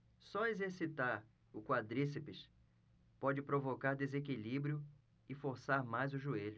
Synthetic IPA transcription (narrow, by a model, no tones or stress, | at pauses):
sɔezeɾsit̪aɾ | ʊkwad̪ɾisepɪʃ | pɔd͡ʒɪpɾovokaɾd̪ezek̬ilibɾiʊ | ɪfoɾsaɾmajzʊʒueʎʊ